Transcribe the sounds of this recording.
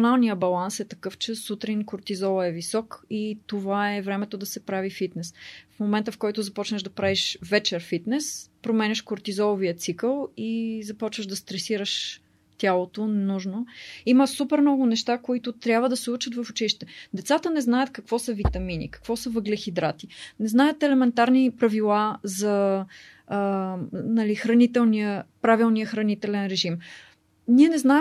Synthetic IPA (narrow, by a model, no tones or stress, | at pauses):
nalˠnijəbɐlˠansɛt̪ɐkɤft͡ʃɛsut̪ɾinkoɾt̪izɔlˠɛvisɔkit̪ovaɛvɾɛmɛt̪od̪ɐsɛpɾavifit̪nɛsfmomɛnt̪əfkɔjt̪ʊzɐpɔt͡ʃnəʒd̪ɐpɾaviʃvɛt͡ʃɛɾfit̪nɛspɾomɛnʲɐʃkoɾt̪izɔlˠʊvijət̪sikəlˠizɐpɔt͡ʃvəʒd̪ɐst̪ɾɛsiɾəʃ | t̪ʲalˠot̪onuʒnoiməsupɛɾmnɔɡʊnɛʃt̪akoit̪ʊt̪ɾʲjabvəd̪ɐsɛut͡ʃət̪vəfʊ̥t͡ʃiliʃt̪ɛd̪ɛt̪sat̪ənɛznajət̪kɐkvɔsəvit̪ɐminḭkɐ̥kvɔsəvəɡlɛxid̪ɾat̪inɛznajət̪ɛlɛmɛnt̪aɾnipɾɐvilˠazɐ | nɐlixɾɐnit̪ɛlˠniəpɾavilˠnijəxɾɐnit̪ɛlɛnɾɛʒim | niɛnɛznaɛ